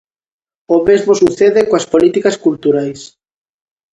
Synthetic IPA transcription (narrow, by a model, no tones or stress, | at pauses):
omezmosuθeðekoaspolit̪ikaskult̪uɾajs